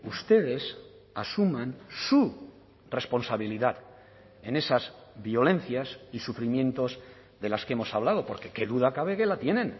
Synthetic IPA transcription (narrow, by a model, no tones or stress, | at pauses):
ust̪e̞ð̞e̞s | asumãnsu | re̞spo̞nsaβiliðað | e̞ne̞saz | βjo̞le̞n̟θjasisufɾimjẽ̞nt̪o̞z | ðe̞laskemo̞saβ̞lað̞o̞po̞ɾke̞ke̞ðuðakaβ̞e̞ke̞lat̪je̞nẽ̞n